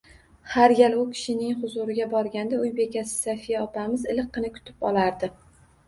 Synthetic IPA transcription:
haɾjʲalʊkʲʰɪ̥ʃɪnɪŋχʊzʊɾɪɡʲabɒɾɡʲand̪aʊjbe̞kʲasɪ̥safijaɒpʰamɪzɪlɨqʰːɨnɪkʰʊ̥t̪ʰɪ̥pɒ̰lˠaɾd̪ɪ

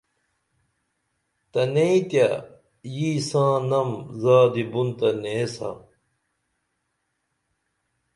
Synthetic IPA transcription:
t̪ɐneĩt̪ja | jiːsãːnɐmzaːd̪ibunt̪ɐneːsa̰

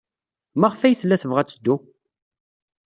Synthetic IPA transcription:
maʁfæjθlːæθəvʁæt͡sːəd̪ːu

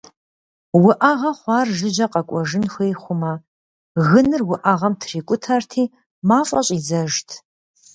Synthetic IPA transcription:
wʊʔɐʁɐχʷɑːrʒɨʒɐqɐkʷʼɔʒɨnxʷejχʷʊmɐ | ɣɨnɨrwʊʔɐʁɐmtʰriːkʷʼʊtʰɐrtʰiː | maːfʼɐɕʼizɐʒtʰ

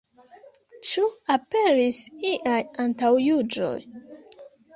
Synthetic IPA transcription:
t͡ʃuape̞ɾisiʔajantawjud͡ʒo̞̰j

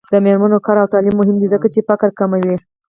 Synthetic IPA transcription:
d̪̥əmeɾmanokɑɾawt̪ɑlimːʊɦɪmd̪izəkat͡ʃefakəɾkamawi

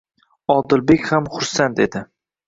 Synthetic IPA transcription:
ɒd̪ɪlbe̞kʲhamχʊɾsant̪ʰe̞d̪ɪ

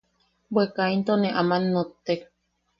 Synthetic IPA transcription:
bwekaint̪oneʔamanːot̪ːek

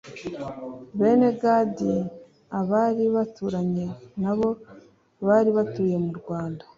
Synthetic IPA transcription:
βe̞ːne̞ɡadi | aβaːɾiβatuɾaɲenaβo̞ | βaːɾiβatuːje̞muɾɡwaːnda

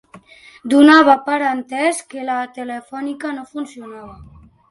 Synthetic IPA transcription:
d̪unaβ̞apaɾant̪ɛskelat̪elefɔnikanofunsiunaβa

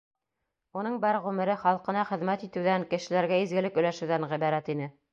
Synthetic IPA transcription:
unɤɴbæɾʁʉmɘ̆ɾɘχɑlˠqɤ̆nɑχɘ̆ðmæt̪it̪ɘ̆wðæŋkɘ̆ʃɘ̆læɾɡæizɡɘ̆lɘkɵ̆læʃɘ̆wðæŋʁiβæɾæt̪inɘ

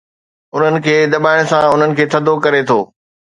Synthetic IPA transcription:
ʊn̤ənɪ̆kʰeːd̪ɐbaːɪɽ̃sãʊn̤ənɪ̆kʰeːt̪ʰɐd̪ʱokɐɾet̪ʰoː

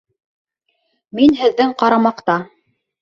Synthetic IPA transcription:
minɦɘ̆ðːɘɴqɑɾɑmɑqt̪ɑ

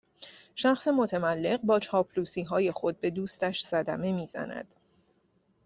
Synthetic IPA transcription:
ʃæxsemo̞t̪ʰæmælːe̞ɢbɒːt͡ʃʰɒːpʰluːsiːɦɒːje̞xo̞d̪̚be̞d̪uːst̪æʃsæd̪æme̞miːz̥æ̰næ̰d̪̥

